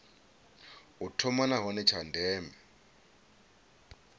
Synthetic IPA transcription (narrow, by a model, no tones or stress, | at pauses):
utʰɔmanaɦɔnɛt͡ʃʰandʱɛːmɛ